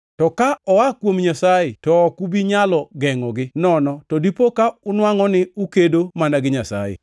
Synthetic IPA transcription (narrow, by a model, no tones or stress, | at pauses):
tɔkaɔakwomɲasajetɔːkubiɲalɔɡɛŋɔɡɪnɔnɔtɔdipokaʊnwaŋɔnɪukedomanaɡɪɲasa̰jɪ̰